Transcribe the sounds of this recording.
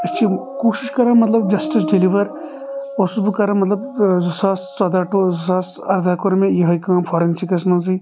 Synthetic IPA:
ɐtʲːt͡ʃʰikoːʃiʃkɐɾãːmɐt̪lɐbd͡ʒɐsʈis̬ɖiliʋɐɾ | osubɨkɐɾãːmɐt̪lɐb̚zusaːssɐd̪aʈozusaːs | ɐɾd̪ʱaːkoɾmẽjɐɦɐjkãːpʰɐːɾɐnsikɐsmɐnzi

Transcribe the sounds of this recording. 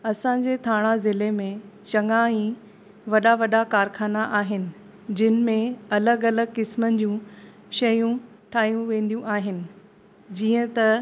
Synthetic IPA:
ɐsãɲd͡ʑet̪ʰaːɽ̃azɪlemẽt͡ɕɐŋaĩ | ʋɐɗaʋɐɗakaːɾxʰaːnaʔaːɦɪnɪ̆ | d͡ʑɪnɪ̆mẽɐləɡɐləɡkɪsmənɪ̆d͡ʑũː | ʃɐjũ | ʈʰaːɦijũʋẽːn̆d̪ijũʔaːɦɪnɪ̆ | d͡ʑiːə̃t̪ɐ

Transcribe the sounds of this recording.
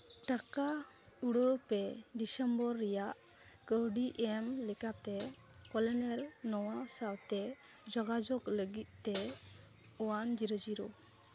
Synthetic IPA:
t̪aka | uɽəpɛɖisɛmbɔɾːɛjaʔ | ɡəwɖiʔɛmlɛkat̪ɛkɔlɛnɛɾnɔwasawt̪ɛ | d͡ʒɔɡad͡ʒɔkləɡit̪̚t̪ɛ | ɔwand͡ʒiɾəd͡ʒiɾɔ

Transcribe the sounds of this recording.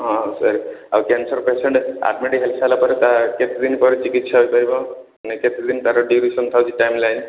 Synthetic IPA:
ɦɔ̃səɾawkɛnsɔɾpeseɳʈa̰ʈmiʈiɦelsalapɔɾet̪aket̪ʰid̪inpɔɾit͡ʃikit̪saɦojpaɾibɔ | neket̪ʰid̪int̪aɾɔɖiɾisɔnt̪ʰawt͡ʃʰiʈajmlajn

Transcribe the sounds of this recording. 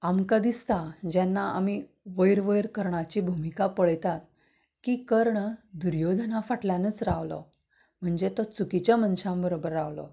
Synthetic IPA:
amkad̪ist̪ad͡ʑanːaami | ʋəjɾʋəjɾkəɾɳat͡ɕiːbʱumikapəɭjt̪at̪ | kiːkəɾɳəd̪uɾjod̪ʱnafaʈljanəːt͡sɾaʋlɔ̰ | m̤əɳd͡zet̪ɔt͡sukit͡ɕjamənɕãmbəɾobəɾːaʋlɔ̰

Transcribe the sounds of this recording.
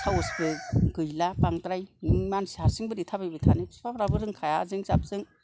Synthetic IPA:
tʰawɔsbɯɡɯjlapaŋtɾajmansihasɯŋbɯɾitʰabajbɯtʰanispapɾabɯɾɯŋkʰajazɯŋzap̚z̥ɯŋ

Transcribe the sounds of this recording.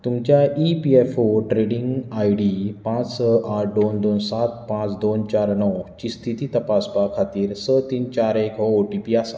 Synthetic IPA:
t̪umt͡ɕjaipiefoʈɾeɽĩŋɡajɽipãt͡ssəʔaʈʰɖond̪onsat̪̚ʰpãt͡sd̪ont͡ɕaɾnɔwt͡ɕist̪ʰit̪iːt̪əpasbakʰat̪iːɾsət̪iːnt͡ɕaɾekɦɔoʈipiasa

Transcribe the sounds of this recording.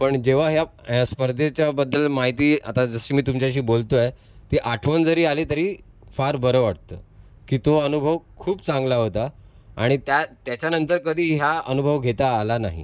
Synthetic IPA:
pəɳd͡ʑeʋ̤aɦjaspəɾd̪ʱet͡ɕabəd̪ːəlmaɦit̪iːa̰t̪ad͡zəɕiːmiːt̪umt͡ɕjaɕ̬iːbolt̪oe | t̪iʔaʈʰʋənd͡zəɾiːaleːt̪əɾiː | faɾbəɾəʋaʈ̚t̪ə̰ː | kiːt̪oənubʱəʋkʰuːpt͡sãŋɡlaɦot̪a | a̰ɽ̃it̪jat̪jat͡ɕjanənt̪əɾkəd̪ʱiːɦjaənubʱəʋɡʱet̪aːlana̰ɦḭ

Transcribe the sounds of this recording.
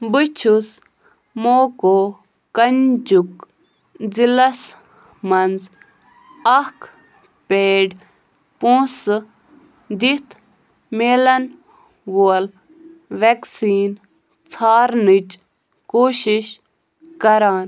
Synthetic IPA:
bɨt͡ʃʰus | moːkoː | kɐnd͡ʒuk | d͡zilɐs | mɐnd͡z | ɐk | peːɖ | põːs | d̪it̪ʰ | meːlɐn | ʋol | ʋeksiːn | t͡sʰaːɾnit͡ʃ | koːʃiʃ | kɐɾaːn

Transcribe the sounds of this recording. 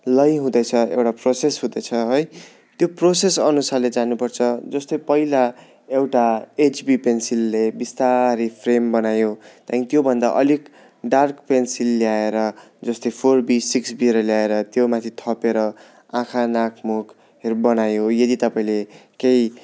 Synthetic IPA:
lʌjɦũd̪ʌjt͡sʰʌḛwʈaprosesɦũd̪ʌjt͡sʰʌɦoj | t̪joprosesʌnusaled͡zanupʌrt͡sʰʌd͡zʌst̪ʌjpʌila | ewʈaet͡ʃbipensilːebist̪aɾipʰrembʌnajot̪jãkit̪jobʱʌnd̪aʔʌlik | ɖarkpensilːjaeɾʌ | d͡zʌst̪ʌjpʰorbisiksbiɾʌljaeɾʌt̪jomat̪ʰit̪ʰʌpeɾʌ | ãkʰanakʰmok | ɦeɾubʌnajojʌd̪it̪ʌpaĩlekej

